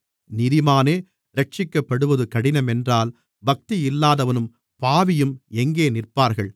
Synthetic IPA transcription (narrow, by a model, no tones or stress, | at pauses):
nɪðɪmaːneː | ɾɐʈ̚t͡ʃɪkːɐpːɐɽɯʋɐðɯkɐɽɪnɐmɛndraːl | bɐk̚t̪iɪlːaːðɐʋɐnɯm | paːʋɪjɯmɛŋɡeːnɪrpaːɾɣɐɭ